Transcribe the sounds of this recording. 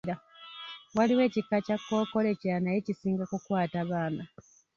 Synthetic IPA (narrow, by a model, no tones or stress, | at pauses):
a | waliwe̞ːcikːacakːo̞ːko̞le̞ceɾanaje̞cisiːŋɡakukwaːtaβaːna